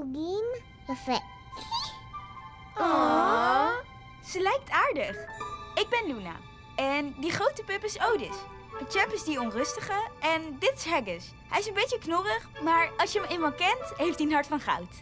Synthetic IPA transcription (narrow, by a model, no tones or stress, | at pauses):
bim | fɛ | ɔ | səlɛjk̚taːɹdəχɪɡ̚bɛnluna̰ | ɛndiχrowtəpɪpɪsowdəs | d̥ət͡ʃɛpɪzdiɔnrɵstəχəɛndɪtɪ̥sɦɛɡəs | ɦɛjɪsənbejt͡ʃəknʊrəχmaːɹɑsjəəmemɑnkɛntɦejftiənɦɑɹtfɑnχɑ̰wt